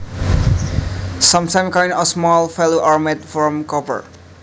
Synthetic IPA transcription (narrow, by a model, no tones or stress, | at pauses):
sʌ̃mtʰãj̃mkãɪ̃nɔsmɔlfɛloʔaɹmɛt̚fɔ̃mkɔpə̰˞